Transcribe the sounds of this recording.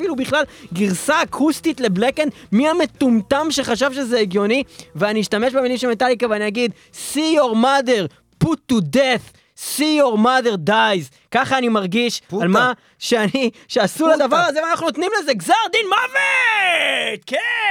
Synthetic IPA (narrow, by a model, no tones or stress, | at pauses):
filubiχlalɡiʁsaːkʰustitle̞blekenmiame̞t̪umt̪amʃe̞χaʃ̬avʃe̞zeːɡjo̞niveaniiʃtame̞ʃbemilimʃemet̪alikaveaniaɡid̪ | sioʁmade̞ʁ | put̪ud̪eθ | sioʁmade̞ʁd̪ajz | kaχaːnimaʁɡiʃalma | ʃeaniʃeasulad̪avaʁazeveanaχnunot̪nimleze̞ɡzaʁd̪inmave | t̪ke